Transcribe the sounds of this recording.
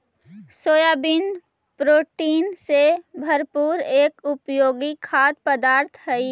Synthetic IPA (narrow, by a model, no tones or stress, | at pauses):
soːjaːbin | pɾoːʈiːnsebʱəɾpuːɾeːkʊpjoːɡikʰaːd̪̚pəd̪aːɾt̪ʰɦəi